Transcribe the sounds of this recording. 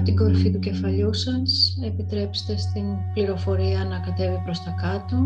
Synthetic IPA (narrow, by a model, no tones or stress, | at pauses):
t̪iɡo̞ɾfit̪uce̞fɐʎusɐse̞pit̪ɾe̞pse̥t̪e̞st̪inpliɾo̞fo̞ɾiɐnɐkɐt̪e̞vipɾo̞st̪ɐkɐt̪o̞